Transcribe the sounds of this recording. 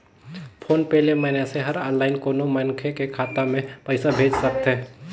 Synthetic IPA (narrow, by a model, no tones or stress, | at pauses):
pʰoːnpɛːlemɛːneseɦəɾɔːnlaːɪnkoːnomənkʰekekʰaːt̪amẽpəɪsabʱeːd͡ʒsək̚t̪ɦɛː